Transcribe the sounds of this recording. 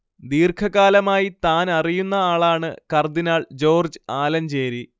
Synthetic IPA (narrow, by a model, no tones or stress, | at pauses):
d̪iːrkʰɐɣaːlɐmaːjit̪aːnɐrijunːɐaːɭaːɳɨkɐrd̪inaːɭd͡ʑo̞ːrd͡ʑɨaːlɐmt͡ɕeːɾi